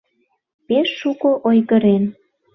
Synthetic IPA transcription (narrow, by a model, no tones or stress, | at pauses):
peʃːukoʔojɣəɾen